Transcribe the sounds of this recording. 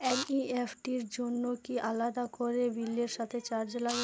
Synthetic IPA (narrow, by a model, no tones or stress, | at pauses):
eniefʰʈiɾd͡ʑonːokiʔalad̪akoɾebilːeɾʃat̪ʰet͡ɕaɾd͡ʑola